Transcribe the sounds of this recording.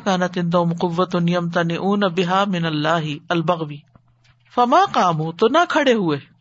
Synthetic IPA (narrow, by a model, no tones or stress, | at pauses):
kaːnɐt̪ɪnd̪oːmqʊʋːɐt̪ʊnɪjɐmt̪̬anɪʔuːnɐbɪɦaːmɪnɐlːaːɦɪɐlbɐɣʋiː | fɐmaːqaːmuːt̪onɐkʰɐɽeɦʊeː